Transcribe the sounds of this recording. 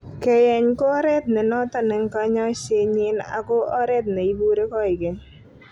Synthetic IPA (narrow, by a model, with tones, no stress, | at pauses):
kɛ˨jɛ˨ɲko˦ɾɛ˦t̪nɛ˨nɔ˦t̪ɔ˦nɛ˨ŋ˦ka˦ɲɔ˦t͡ʃe˦ɲɪ˦na̰˨ko˦ɔ˦ɾɛ˦t̪̚nɛ˨i˦bu˦ɾe˦kɔ˦ɪ˨ke˨ɲ